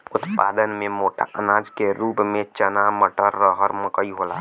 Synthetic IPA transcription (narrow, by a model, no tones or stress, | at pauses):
ʊt̪pa̰d̪ənmemoːʈʰa̰ʔənad͡ʒkeɾupmẽt͡ʃənaməʈəɾːəɦəɾməkəiɦola̰